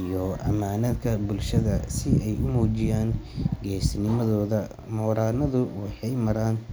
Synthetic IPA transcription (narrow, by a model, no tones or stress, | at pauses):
ijɔʔɐ̰maːnɐd̪kʰɐbʊlʃɐðɐsɪɛjʊmuːt͡ʃɪjaːnɡɛːsnɪmɐðɔːðɐ | mɔːɾaːnɐðʊwɑħɑjmɐɾaːn